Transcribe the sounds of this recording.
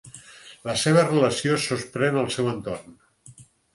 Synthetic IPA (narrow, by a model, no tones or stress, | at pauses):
ləseβ̞ərələsiosuspɾɛnəlˠsɛwənt̪orn